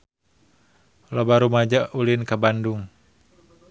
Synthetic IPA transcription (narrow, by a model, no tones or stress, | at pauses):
lɔbaɾumad͡ʒaʔulinkabanduŋ